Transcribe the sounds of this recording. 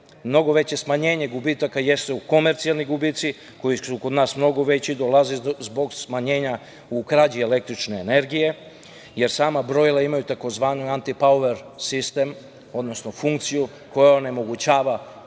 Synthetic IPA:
mno̞ɡo̞ʋe̞t͡ɕe̞smaɲe̞ːɲe̞ɡubit̪akaje̞st̪euko̞meɾt̪sialniɡubiːt̪si | ko̞jisukod̪naːsmno̞ɡoʋe̞t͡ɕid̪olˠazizbo̞ɡsmaɲeːɲa | ukɾad͡ʑiele̞k̚t̪ɾit͡ʃne̞ːne̞ɾɡije̞ | je̞ɾsaːmabɾo̞jlˠaimajut̪ako̞zʋaːnuant̪ipaoʋeɾsist̪e̞m | o̞d̪no̞sno̞fuŋkt̪siju | ko̞jao̞ne̞mo̞ɡut͡ɕaːʋa

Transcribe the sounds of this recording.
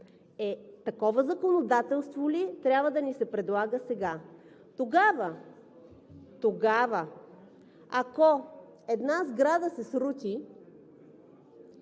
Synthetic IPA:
ɛt̪ɐkɔvəzɐkonod̪at̪ɛlˠst̪volit̪ɾʲabvəd̪ɐnisɛpɾɛd̪lˠaɡəsɛɡa | t̪oɡavə | t̪oɡavə | akɔ | ɛd̪nazɡɾad̪əsɛsɾut̪ʲi

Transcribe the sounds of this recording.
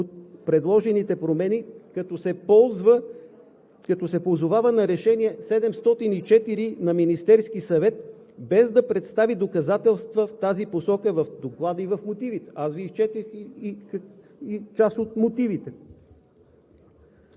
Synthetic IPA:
ot̪̚pɾɛd̪lˠɔʒɛnit̪ɛpɾomɛnikɐt̪ɔsɛpɔzvə | kɐt̪ɔsɛpozʊvavənɐɾɛʃɛniɛsɛd̪ɛmst̪ɔt̪init͡ʃɛt̪iɾinɐminist̪ɛɾsk̟isɐvɛt̪̚ | bɛzd̪ɐpɾɛt̪st̪avid̪okɐzat̪ɛlˠst̪vəft̪aziposɔkəvɐfd̪oklˠad̪əivɐfmot̪ivit̪ɛ̥asviːst͡ʃɛt̪ɛxi | it͡ʃasot̪mot̪ivit̪ɛ

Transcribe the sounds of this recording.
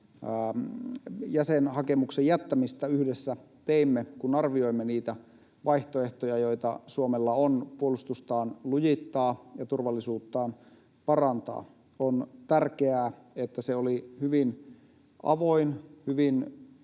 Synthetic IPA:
jæsenhɑkemuksejæt̪ːæmist̪æyhdesːæ | t̪eimːekunɑrʋio̞imːeniːt̪æ | ʋɑiht̪oeht̪ojɑjo̞it̪ɑ̰suomelːɑonpuolust̪ust̪ɑːnlujit̪ːɑːjɑt̪urʋɑlːisuːt̪ːɑːn | pɑrɑnt̪ɑ̰ː | ont̪ærkeæː | et̪ːæseolihyʋin | ɑ̰ʋoinhyʋin

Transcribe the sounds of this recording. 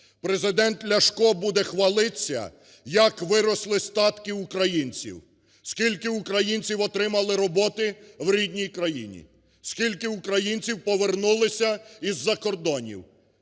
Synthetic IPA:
pɾezɪd̪ɛnt̪lʲɐʃkɔbud̪ɛxʋɐlˠɪsʲɐ̰ | jɐkʋɪɾɔslˠɪst̪ɑt̪kɪukɾɐjinʲt͡sʲḭw | skʲilʲkɪukɾɐjinʲt͡sʲiwɔt̪ɾɪmɐlˠɪɾɔbɔt̪ɪwɾʲidʲnʲijkɾɐjḭnʲḭ | skʲilʲkɪukɾɐjinʲt͡sʲiwpɔʋernulˠɪsʲɐizːɐkɔrd̪ɔnʲḭw

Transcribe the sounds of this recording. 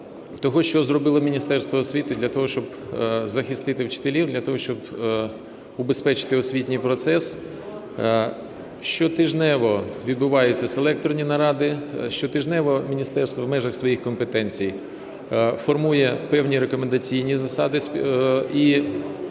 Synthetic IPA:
t̪ɔɦɔʃt͡ʃɔzɾɔbɪlˠɔmʲinʲist̪ɛrst̪ʋɔːsʲʋʲit̪ɪd̪lʲɐt̪ɔɦɔʃt͡ʃɔb | zɐxɪst̪ɪt̪ɪwt͡ʃɪ̥t̪elʲiwd̪lʲɐt̪ɔɦɔʃt͡ʃɔb | ʊbespɛt͡ʃɪ̥t̪ɪɔsʲʋʲit̪ʲnʲɪjpɾɔt̪sɛs | ʃt͡ʃɔt̪ɪʒnɛʋɔʋʲid̪bʊʋɑjʊt͡sʲːɐselˠɛk̚t̪ɾɔnʲinɐɾɑd̪ɪʃt͡ʃɔt̪ɪʒnɛʋɔmʲinʲist̪ɛrst̪ʋɔwmɛʒɐxsʋɔjixkɔmpet̪ɛnʲt͡sʲij | fɔrmujɛpɛwnʲiɾekɔmend̪ɐt͡sʲijnʲizɐsɑd̪ɪsʲ | i

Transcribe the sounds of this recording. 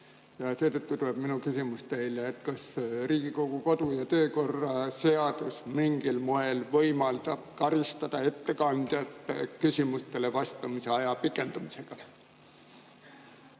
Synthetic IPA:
jɑseːt̪øt̪ːut̪uleb̥minukysimust̪eileːt̪kɑsriːɡ̥iko̞ɡ̥uko̞d̪ujɑt̪øːko̞rːɑseɑd̪usmiŋɡ̥ilmoe̞lvɤjmɑlt̪ɑb̥̚kɑɾist̪ɑd̪̥ɑe̞t̪ːekɑnd̪jɑt̪ːkysimust̪elevɑst̪ɑmiseɑjɑpikːˑe̞nt̪umise̞ɡ̥ɑ

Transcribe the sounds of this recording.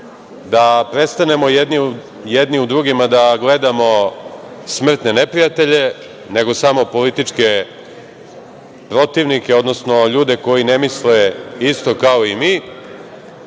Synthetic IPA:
d̪apɾet̪st̪ane̞mo̞jed̪ni | jed̪niud̪ɾuɡimad̪aɡle̞d̪amo̞ | smr̩t̪ne̞nepɾijat̪e̞ʎe̞ | ne̞ɡo̞samo̞po̞lit̪it͡ʂke̞ | pɾo̞t̪iʋnikeo̞d̪no̞sno̞ʎuːd̪e̞ko̞jine̞misleist̪o̞kaoimiː

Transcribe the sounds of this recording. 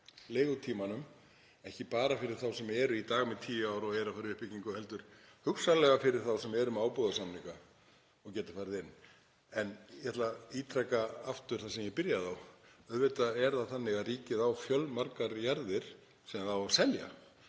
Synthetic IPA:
leːɣʏt̪ʰiːmanʏm | ɛhcɪpaːɾafɪɾɪɾ̥θawsɛmɛːɾʏit̪aːɣmɛðt̪ʰiːjaːwɾɔɣɛɾafaɾɪðʏhpɪciŋkʏhɛlt̪ʏɾ̥hʏksalɛɣafɪɾɪɾ̥θawsɛmɛɾʏmaːwpɔðasamniŋka | ɔɣcɛːt̪afajɾðɪnː | ɛnjaht̪laiːt̪ʰɾɛkaaft̪ʏɾ̥θasɛmjɛpɪɾjaðawœðvɪt̪aɛɾðaθanːɪɣaðriːcɪðawfjœlmaɾkaɾjaɾðɪɾ̥ | sɛmθawḁsɛlja̰

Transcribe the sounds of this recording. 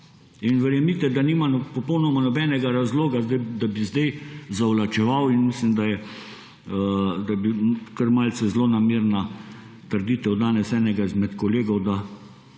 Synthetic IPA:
inʋɛɾjɛmit̪ɛd̪aniːmapɔpɔwnɔmanɔbɛnɛɡaɾazloːɡazd̪ɛd̪abizd̪ɛjzawlat͡ʃɛʋawinmislimd̪ajɛ | d̪abikəɾmalsɛzlonameːɾna | t̪əɾd̪it̪ɛwd̪aːnɛsɛːnɛɡaizmɛt̪kɔleːɡɔwd̪a

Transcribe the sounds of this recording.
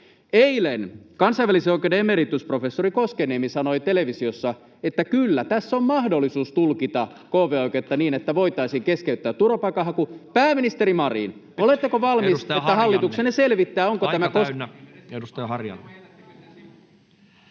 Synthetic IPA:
eilenkɑnsɑiʋæliseoikedeemeɾit̪ːyspro̞fesːoɾikoskeneːmisɑnoit̪eleʋisiosːɑ | et̪ːækylːæt̪æsːommɑhdolːisuːst̪ulkit̪ɑ | koːʋeːoikˑet̪ːɑniːnet̪ːæʋo̞it̪ɑisiːŋkeskeyt̪ːæːt̪ːurʋɑpɑikɑɦɑkupæːmːinist̪eɾimɑrḭn | olet̪ːekoʋɑlmiset̪ːæɦɑlːit̪ukseneselʋit̪ːæːoŋkoæmækosnedust̪ɑjɑhɑrjɑ̰lːɑ

